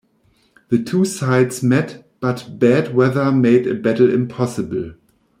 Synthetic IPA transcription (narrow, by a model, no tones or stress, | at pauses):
ðɨtʰuːsaɪdzmɛt | b̥atb̥ædwɛðə˞meɪdɨbætl̩ɪ̰̃mpʰɑsɨbl̩